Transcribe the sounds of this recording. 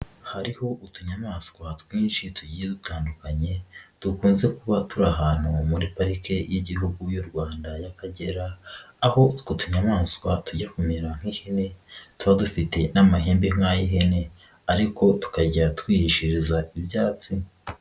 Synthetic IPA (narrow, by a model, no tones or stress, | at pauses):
haɾiho̞ʔutuɲamaːskwatwiːnʃituɟijedutaːndukaɲe̞d̥ukuːnze̞kuβatuɾaɦaːn̥humuɾipaɾike̞jiɟihuɡujoɾɡwaːndajakaɟe̞ɾaːho̞kutuɲamaːskwatuɟakumiɾaŋ̥hihene̞tuβadufite̞namaɦe̞ːmbeŋaːjiɦene̞ | aɾiko̞tu̥kaɟatkwiːhiʃiɾizaʔibjaːt͡si